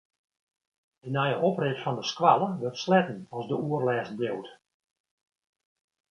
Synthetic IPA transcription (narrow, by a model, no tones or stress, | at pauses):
dənɛjəʔoprɪtfɔndəskwalˠəʋɪrtslɛtən̩ɔsdəuərlɛːstbjowt